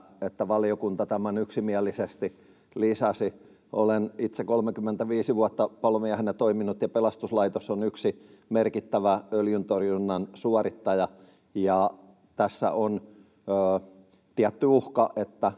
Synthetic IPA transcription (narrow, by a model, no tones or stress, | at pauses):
et̪ːæʋɑliokunt̪ɑt̪æmænyksimiælːˑisest̪i | lisɑsi | o̰lenit̪sekolmekymːent̪æʋiːsiʋuɑt̪ːɑpɑlomiæhenet̪oiminut̪jɑpelɑst̪uslɑit̪osonyksimerkit̪ːæʋæøljynt̪orjunːɑnsuɑrit̪ːɑjɑ | jɑ | t̪æsːæ̰ʔon | øː | t̪iæt̪ːyuhkɑʔet̪ːæ